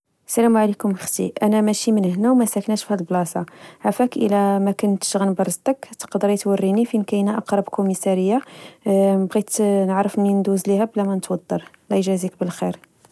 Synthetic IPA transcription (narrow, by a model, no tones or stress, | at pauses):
sælæmʕalikʊməxt̪ḭʔænæmæʃimənhnæwmæsæknæʃfhælblɑsɑʕafækʔə̰læmækʊnt̪ə̥ʃɣənbɑɾˤzt̪əkt̪ə̥qɑd̪ːəɾjət̪wərːinifinkæjnæʔɑqɾˤɑbkumisɑɾəjːa | bɣit̪nəʕɾəfnind̪uzlihæblæmænət̪wɑd̪ːɑɾˤ | læʒæzik̚bəlxiɾ